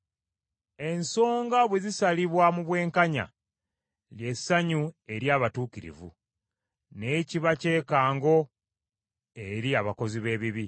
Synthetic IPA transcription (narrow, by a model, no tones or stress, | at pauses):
e̞nso̞ːŋɡaβwe̞zisaliβwamuβwe̞ːŋkaɲa̰ | lje̞sːaɲue̞ɾjaːβatuːkiɾḭvṵ | ne̞ciβace̞ːkaːŋɡo̞ | e̞ɾiaβako̞ziβe̞ːβiβi